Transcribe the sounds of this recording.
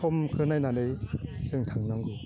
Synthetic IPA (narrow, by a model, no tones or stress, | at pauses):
ɔmkʰɯɾɯnajnanɯjsɯŋtʰaŋnaŋɡu